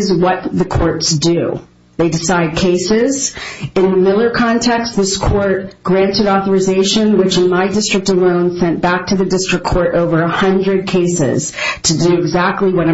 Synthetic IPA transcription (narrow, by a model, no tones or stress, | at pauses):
zwʌt̪̚ðɨkʰɔɹtsd̥ʉ | ðeɪdɨsaɪd̚kʰeɪsɪzɨ̃nðɨmɪlˠə˞kʰɑ̃ntʰɛkstðɪskʰɔɹt̚ɡ̥ɹæ̃ntɨɾɔθə˞ɨzeɪʃɨ̃nwɨt͡ʃɨ̃nmaɪdɪstɹ̥ɨk̚təlõʊ̃nsɛ̃nb̥æk̚tʰɨðɨdɪstɹ̥ɨkʰɔɹɾoʊvə˞əhʌ̃ndɹɨd̚kʰeɪsɪ̰z̥tʰɨdɨɪɡzæk̚tˡliwʌɾã